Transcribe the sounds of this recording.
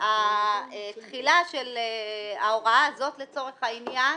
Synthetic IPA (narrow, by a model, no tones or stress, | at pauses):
aet̪χilaʃeleaoʁaaːzo̞t̪le̞t͡so̞ʁe̞χhainja